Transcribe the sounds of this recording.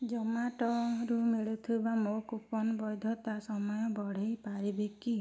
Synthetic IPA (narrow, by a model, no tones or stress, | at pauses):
d͡ʒɔmaʈɔɾumiɭut̪ʰibamokupɔnbɔjd̪ʱɔt̪asɔmɔjɔbɔɽ̤ejpaɾibeki